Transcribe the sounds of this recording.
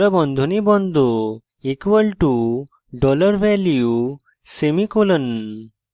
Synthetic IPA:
ɾəbɔ̃nd̪ʱunibɔnd̪ʱo | ikʋəlʈu | ɖɔləɾʋɛliju | semikolən

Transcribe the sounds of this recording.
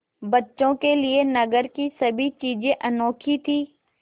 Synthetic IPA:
bɐtːʃõkelɪenɐɡəɾkisɐbʱit͡ʃiːd͡ʒẽʔɐnoːkʰit̪ʰiː

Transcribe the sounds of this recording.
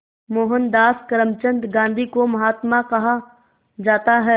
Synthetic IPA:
moːɦənd̪aːskəɾəmt͡ʃə̃nd̪ɡãːnd̪ʱikomɐɦaːt̪makɐɦa | d͡ʒaːt̪aɦɛː

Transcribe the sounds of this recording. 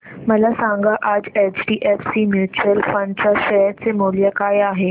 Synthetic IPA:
məlasãŋɡaʔad͡zet͡ɕɖiːʔɛfsimjut͡ɕuəlfə̃ɳɖt͡ɕaɕəjəɾt͡semoljəkajaɦe

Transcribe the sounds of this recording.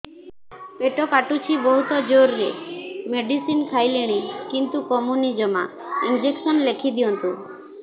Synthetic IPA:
peʈɔkaʈut͡ʃʰibɔɦut̪ɔd͡ʒoɾːemeɖisinkʰajleɽ̃ikint̪ukɔmunid͡ʒɔma̰ | ind͡ʒeksɔnlekʰid̪iɔnt̪u

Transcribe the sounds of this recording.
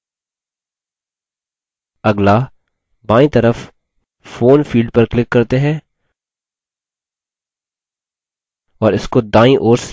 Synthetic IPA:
ɐɡla | baːĩt̪ɐɾəf | foːnfiːlɖ̚pɐɾklɪkːɐɾt̪eɦɛ̃ː | ɔːɾɪskod̪ãːĩʔoːɾs

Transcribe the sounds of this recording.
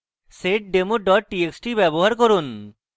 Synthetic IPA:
seʈ̚ɖemoɖɔʈːieksʈibɛboɦaɾkɔɾun

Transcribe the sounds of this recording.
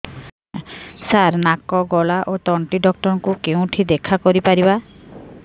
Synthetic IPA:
saɾnakɔɡɔlaʔot̪ɔɳʈiɖɔk̚ʈɔɾɔŋkukeũʈʰid̪ekʰakɔɾipaɾiba

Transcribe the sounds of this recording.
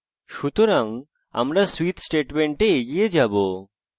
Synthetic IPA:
ʃut̪oɾaŋ | a̰mɾaswit̪sʈeʈmeɳʈeeɡied͡ʑabo

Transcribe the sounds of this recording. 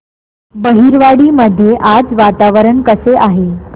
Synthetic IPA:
bəɦiɾʋaɽiːməd̪ʱːjeʔad͡zʋat̪aʋəɾəɳkəseʔaɦe

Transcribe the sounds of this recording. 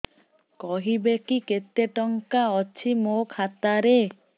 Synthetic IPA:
kɔɦibekiket̪ːeʈɔŋkaɔt͡ɕʰimokʰat̪aɾe

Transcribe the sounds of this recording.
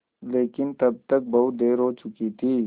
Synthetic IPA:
leːkɪnt̪ɐb̚t̪ɐk̚bɐud̪eːɾɦoːt͡ʃʊkit̪ʰiː

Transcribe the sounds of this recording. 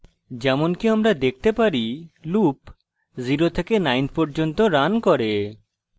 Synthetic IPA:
d͡ʑɛmonkiamɾad̪ek̚ʰt̪epaɾilup | ziɾot̪ʰekenajnpɔɾd͡ʑont̪oɾankɔɾe

